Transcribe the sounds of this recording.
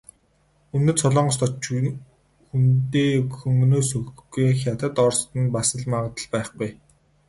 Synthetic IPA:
ɵnɵ̆t͡sʰɔɮɔːɴɢɞst̪ʰɔt͡ɕ | xunt̪eːxɵŋɡɵnoːsɵxɡejxʲjat̪ə̆t̪ɔrst̪ɘ̆npasə̆ɮmaʁə̆t̪ə̆ɮpæɪχɡuj

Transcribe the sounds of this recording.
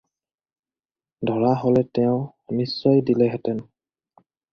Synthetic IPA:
dʱɔɹaɦɔlɛtɛʊ̃ | nisːɔjdilɛɦɛtɛn

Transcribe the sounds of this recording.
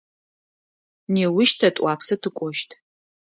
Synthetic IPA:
neːwʊʃtʰɐtʼʷaːpʰsɐtʰɨkʷʼɔʃtʰ

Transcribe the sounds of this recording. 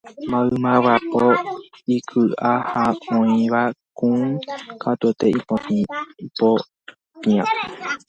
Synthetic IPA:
mãɨmãwapoikʰɨʔahaõĩʋakũkʰat̪ot̪eipoiipo | piã

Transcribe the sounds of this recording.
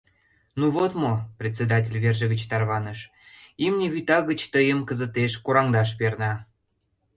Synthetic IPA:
nuβot̪moprʲet̪ʲt͡sʲed̪ɑtʲelʲverʒəɣət͡ɕt̪ɑrβɑnəʃ | imnʲeβyt̪ɑɣət͡ɕt̪əjəmkəzə̆t̪eʃkoɾɑŋd̪ɑʃ̬pernɑ

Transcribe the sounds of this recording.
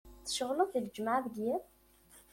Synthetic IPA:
θə̥ʃəʁləθild͡ʒmaʕðəɡjæm

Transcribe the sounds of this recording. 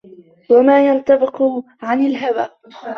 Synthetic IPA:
wamaːjant̪abɪq | ʕanɪlɦawaː

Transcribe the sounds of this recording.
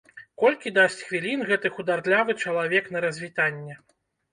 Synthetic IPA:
kɔlʲkʲid̪asʲt͡sʲxvʲilʲinɣɛt̪ɨxud̪art̪lʲavɨt͡ʂɐlˠavʲɛknɐɾɐzʲvʲit̪anʲːɛ

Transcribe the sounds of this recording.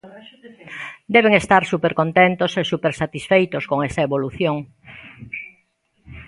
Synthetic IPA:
d̪ɛβeŋest̪aɾsupeɾkont̪ent̪osesupeɾsat̪isfejt̪oskoŋesaeβoluθjoŋ

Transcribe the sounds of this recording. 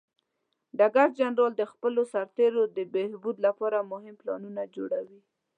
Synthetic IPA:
ɖaɡaɾd͡ʒanɾɑld̪əxpəlosaɾt̪eɾod̪əbehbud̪lapɑɾamʊhɪmplɑnunad͡ʒoɽawi

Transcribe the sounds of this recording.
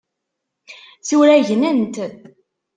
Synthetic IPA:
t͡suɾæʝnənt̪

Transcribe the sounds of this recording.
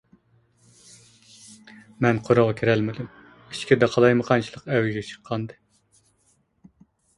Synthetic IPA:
mɛnqʰoɾoʁɑkʲʰiɾælmɪd̪ym | it͡ʃkʲid̪ɑqʰɑlˠɑjmɨqʰɑnt͡ʃʰilˠəqɛwɪʒɡʲɛt͡ʃʰə̥qʰːɑnd̪ɨ

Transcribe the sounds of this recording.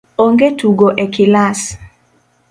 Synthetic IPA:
oŋɡetuɡoʔekɪlas

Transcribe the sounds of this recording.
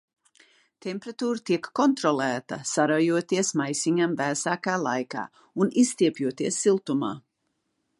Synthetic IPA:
t̪ʰempɾat̪uːɾt̪iɛkːɔnt̪ɾɔlæːt̪ɐsaɾajuɔt̪iɛsmajsiɲamvæːsaːkaːlˠa̰jka̰ː | unist̪iɛpjuɔt̪iɛsːilˠt̪uma̰ː

